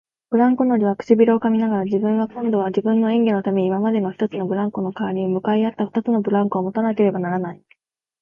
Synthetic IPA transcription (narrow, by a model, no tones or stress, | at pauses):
b̥ɯ̟ɾãŋkono̞ɾʲiβakɯ̟̥ɕibʲiɾʲo̞ːkamʲinaɡaɾad͡ʑibɯ̟̃ŋɡakõ̞nd̪o̞β̞ad͡ʑibɯ̟̃nːo̞ẽŋɡe̞no̞t̪ame̞ɲiːmamad̪e̞no̞çi̥t̪o̞t͡sɨno̞bɯ̟ɾãŋko̞no̞kaβaɾʲiomɯ̟kaiat̪ːaɸɯ̥t̪at͡sɨno̞bɯ̟ɾãŋko̞ːmo̞t̪anake̞ɾe̞banaɾanai